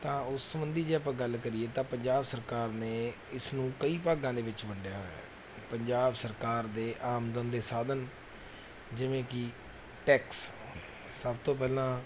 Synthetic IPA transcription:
t̪ãːʊsːəmənd̪iːd͡ʒeːp̬ãːɡəlkəɾieːt̪ãːpəɲd͡ʒaːbsəɾkaːɾneː | ɪsnũːkəiːpaːɡãːd̪eːʋɪt͡ʃbəɳɖjaːɦo̰ː | pəɲd͡ʒaːbsəɾkaːɾd̪eːʔaːmd̪ənd̪eːsaːd̪ən | d͡ʒɪʋẽːkɪ | ʈɛːks | o | səbt̪õːp̬ɛːlãː

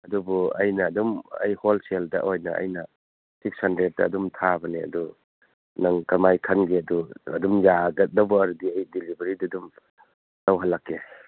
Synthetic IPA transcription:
ɐdubɔɐjnɐːdumɐ̰jholseldɐ̰ʔojnɐ̰ɐ̰jnɐ | sikshɐndɾet̚dɐ̰ːdumtʰabɐneɐ̰du | nɐŋkɐmajkʰɐnɡeɐduɐ̰dumjaɡɐt̚dɐbɔɐɾudiɐjdilibɐɾidadum | nawɦalːakːe

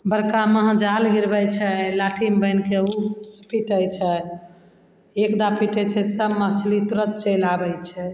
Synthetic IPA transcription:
bəɾkaməɦd͡ʒalɡiɾbəjt͡ʃʰɛlaʈʰimbəjnkeuspiʈəjt͡ʃʰɛ | ekd̪apiʈəjt͡ʃʰɛsəmːəɦt͡ʃʰlit̪uɾət̪̚t͡ʃəlabɛjt͡ʃʰɛ

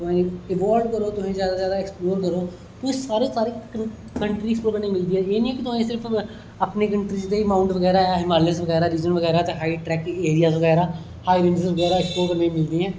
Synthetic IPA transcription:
t̪ʊɛ̃ɪʋaːɾɖkəɾoːt̪ʊsẽːzjaːd̪aːzjaːd̪aːɪksploːɾkəɾoː | t̪ʊsĩːsaːɾeːsaːɾiː | kəɳʈɾiːksploːkəɾnə̃ĩːmɪld̪iːɦɛːeːnĩːɛːkɪt̪ʊãːsɪɾpʰ | əpneːkəɳʈɾiːd͡ʒd̪eːimaːʊɳʈʋəɡɛːɾaːɛɦɪmaːlɪsʋəɡɛːɾaːɾiːd͡ʒənʋəɣɛːɾaːt̪eɦaːiʈɾɛːkeːɾijaːsʋəɡɛːɾaː | haːiɾɪɳɖəsʋəɡɛːɾaːɪksploːkəɾnəĩːmɪld̪iːɦɛ̃ː

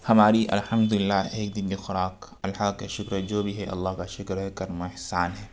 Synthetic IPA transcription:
hɐmaːɾiʔɐ̰lħɐmd̪ʊlɪlːaːɦeːk̚d̪ɪnlixʊɾaːk | ɐlhaːkːeʃʊkɾɦɛd͡ʒoːbʱiɦɛʔɐ̰lːaːɦkaʃʊkɾɛkɐɾmoɪhsaːnɦɛː

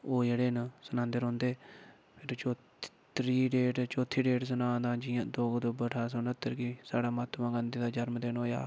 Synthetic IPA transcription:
oːd͡ʒeːɽeːnsənãːnd̪əɾõːnd̪eː | pʰɪɾt͡ʃoː | t̪ɾiːɖeːʈt͡ʃoːt̪ʰːiːɖeːʈs̬ənãːd̪ãːd͡ʒɪjãːd̪oːɡd̪obəʈʰaːsoːnət̪ːəɾkiːsaːɽaːmaːt̪mãːɡə̃nd̪eːd̪aːd͡ʒəɾmd̪eːnɦoːja̰ː

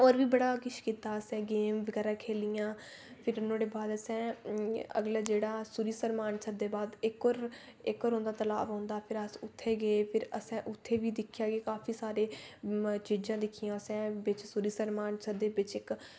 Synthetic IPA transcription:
oːɾʋiːbəɽaːkɪʃkiːt̪aːəsɛ̃ːɡeːmʋəɡɛːɾaːkʰeːlɪjãː | pʰɪɾʊnõːɽeːbaːd̪əsɛ̃ː | ə̰ɡlaːd͡ʒeːɽaːsuɾiːsəɾmaːɳsəɾd̪eːbaːd̪ɪkːoːɾ | ɪkːoːɾɦõːnd̪aːt̪əla̰ːʋɦõːnd̪aːpʰɪɾəsʊt̪ʰːeːɡəeːpʰɪɾəsɛ̃ːʔʊt̪ʰːeːʋiːd̪ɪkʰɪjaːɡeːkaːpʰiːsaːɾeː | t͡ʃiːd͡ʒãːd̪ɪkʰːɪjãːəsɛ̃ːbɪt͡ʃsuɾiːsəɾmaːɳsəɾd̪eːbɪt͡ʃɪk

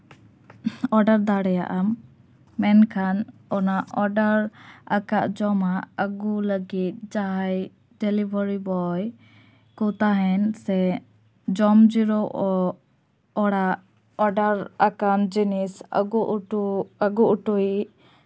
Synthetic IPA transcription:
ɔɾɖəɾd̪aɽɛja̰ʔamː | ɛnkʰanɔnaʔɔɖəɾakaʔd͡ʒɔmaəɡuləɡit̪̚d͡ʒaɦaj | ɖɛlibəɾibɔj | kɔt̪aɦɛnsɛ | d͡ʒɔmd͡ʒiɾɔʔɔ | ɔɽaʔ | ɔɖaɾakand͡ʒinisɡuʔuəɡuʔuʈui

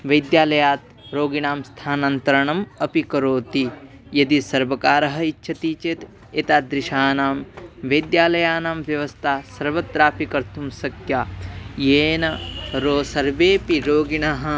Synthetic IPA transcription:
ʋɐjd̪jaːlɐjaːt̪ | ɾoːɡiɳaːmst̪ʰaːnɐnt̪ɐɾɐɳɐmɐpikɐɾoːt̪i | jɐd̪isɐɾʋɐkaːɾɐɦɐ̆itːʃʰɐt̪iːt͡ʃeːt̪ | et̪aːd̪ɾɪʃaːnaːmʋɐjd̪jaːlɐjaːnaːmʋjɐʋɐst̪ʰaːsɐɾʋɐt̪ɾaːpikɐɾt̪ʰumsɐkʰjaːjeːnɐɾoːsɐɾʋeːpiɾoːɡiɳaɦɐ̆

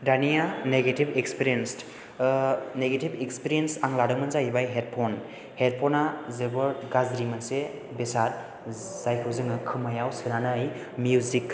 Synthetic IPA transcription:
danijaneɡetibekspiɾijens | neɡetibekspiɾijensaŋlaɾɯŋmɯnzajibajɦeɾ̚pʰon | heɾ̚pʰɔnazebɯɾɡazɾimɐnse | besat̚ | z̥ajkʰɯzɯŋɯkʰɯmajawsɯnanaj | mjuzik

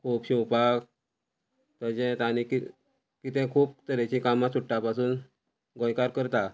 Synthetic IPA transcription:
kʰuːpɕiwpak | t̪əd͡ʑɛ̃t̪aniki | kit̪ɛ̃kʰuːp̚t̪əɾet͡ɕĩkamasuʈːapasuːn | ɡɔ̃jkaɾkəɾt̪a

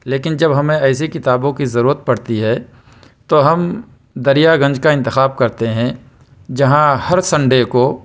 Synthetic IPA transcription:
leːkɪnd͡ʒɐbɦɐmẽɛːs̬ikɪt̪aːbõkizɐɾuːɾət̪̚pɐɽt̪iɦɛ | t̪oɦɐm | d̪ɐɾijaɡɐ̃ɲd͡ʒkaɪ̃nt̪ɪxaːb̚kɐɾt̪eɦɛ̃ | d͡ʒɐɦãhɐɾsɐ̃ɳɖeko

